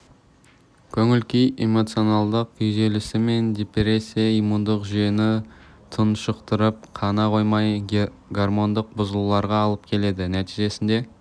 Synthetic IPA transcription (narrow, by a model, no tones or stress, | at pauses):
kʲʰɵŋɪlkʲijemo̞t̪sio̞nɑlˠd̪əq̚ʏjze̞lɪsɪme̞nd̪ʲepɾe̞sːijaijmund̪əqʒʏje̞nɪt̪ʰənʃəqt̪əɾəp̚qʰɑnɑqo̞jmɑj | ɡarmo̞nd̪əq̚bʊzəlˠulˠɑɾʁɑːlˠəp̚kʲʰe̞le̞d̪ɪnæt̪iʒe̞sɪnd̪e̞